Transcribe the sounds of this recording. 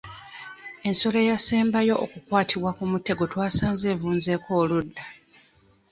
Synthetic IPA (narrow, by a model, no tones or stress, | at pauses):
e̞nso̞le̞jaseːmbajo̞ʔːkukwaːtʰiβwakumutːe̞ɡo̞twaːsaːnzeːvuːnze̞ːko̞ːludːa